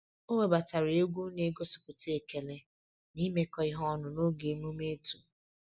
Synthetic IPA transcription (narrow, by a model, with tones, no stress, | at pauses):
o˦we˨ba˨ta˨ɾɪ˨e˦ɡʷu˦ne˨˦ɡo˦sʊ̥˨pʊ˨te˦e˨ke˨le˦ | ni˦me˦kɔ˦ɪ˦ɦɔ˦nʊ˨no˦ɡe˨˦mu˦me˦tu˨